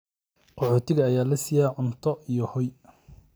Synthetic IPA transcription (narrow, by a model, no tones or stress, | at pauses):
qɔħɔːt̪ʰɪɣɐːjaːlɐsɪjaːʕʊnt̪ʰɔʔijɔhɔj